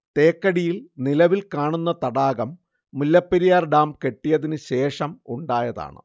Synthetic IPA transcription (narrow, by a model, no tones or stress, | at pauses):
t̪e̞ːkːɐɽijilnilɐʋilkaːɳunːɐt̪ɐɽaːɣɐmː | ulːɐpːeɾijaːrɖaːmke̞ʈːijɐðinɨɕe̞ːʂɐmṵɳɖaːjɐða̰ːɳɨ̰